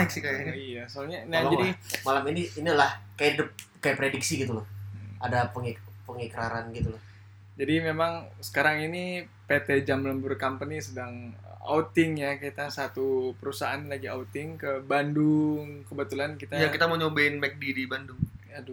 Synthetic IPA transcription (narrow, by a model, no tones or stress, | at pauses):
ksikajaijasoalɲanad͡ʒadimalaminiːnilahkajaidəp̚ | kajapɾediksiɡit̪ulohadapəŋikpəŋikɾaɾanɡit̪ulʊh | d͡ʒadimemaŋsə̥kaɾaŋini | pet̪ed͡ʒamləmburkampənisədaŋə̰a̰ut̪ɪŋjakit̪asat̪upəɾusaanlaɡia̰ut̪ɪŋkəbandʊŋkəbət̪ulankit̪ajakit̪aməɲobaɪnmɛk̚didibandʊŋjadu